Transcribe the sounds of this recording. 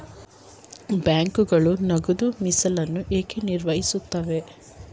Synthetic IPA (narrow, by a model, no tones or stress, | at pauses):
bjaːŋkuɡɐɭunɐɡud̪umisɐlɐnːuʔeːkeniɾʋɐɦisut̪ːɐʋe̞